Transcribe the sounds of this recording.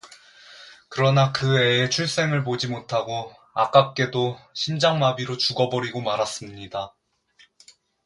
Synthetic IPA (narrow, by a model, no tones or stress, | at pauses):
kɯɾʌnakɯe̞et͡ɕʰuɭs͈e̞ŋɯɭp̬od͡ʑimotʰaɡo | ak͈ap̚k͈e̞doɕʰimd͡ʑaŋmabiɾot͡ɕuɡʌbʌɾiɡomaɾas͈ɯmɲida